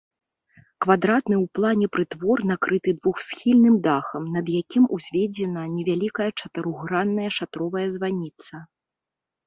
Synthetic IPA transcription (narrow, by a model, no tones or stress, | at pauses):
kvad̪ɾat̪nɨwplˠanʲɛpɾɨt̪vɔrnakɾɨt̪ɨd̪vuxsʲxʲilʲnɨmd̪axɐmnɐd̪jakʲimuzʲvʲed͡zʲɛnɐnʲɛvʲalʲikɐjɐt͡ʂɐt̪ɨɾuɣɾanːɐjɐʂat̪ɾɔvɐjɐzvanʲit̪sɐ